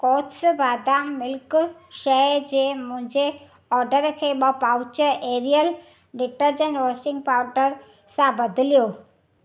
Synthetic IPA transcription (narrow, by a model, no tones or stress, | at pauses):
kɔːtsbaːd̪amːɪlkʃɛd͡ʑemʊ̃ɦɪ̃ɲd͡ʑe | ɔːɾɖəɾkʰeːɓəpaːʊt͡ɕəɾeːɾijəl | ɖɪʈəɾd͡ʑə̃nʈʋɔsɪ̃ŋɡ̚paːʊɾɖəɾ | sãbɐd̪ʱɪlijoː